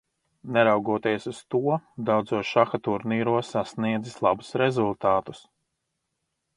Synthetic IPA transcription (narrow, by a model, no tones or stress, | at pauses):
nɛɾawɡuɔt̪iɛsust̪uɔd̪awd̪zuɔʃaxat̪uɾniːɾuɔsasniɛd̪zislˠabusɾezulˠt̪aːt̪u̥s